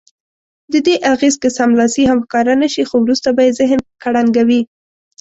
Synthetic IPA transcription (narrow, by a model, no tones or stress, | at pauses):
d̪əd̪eʔaɣezkəsamlɑsiɦamxkɑɾanaʃixowɾust̪abɑjezɪɦnkaɽaŋɡawi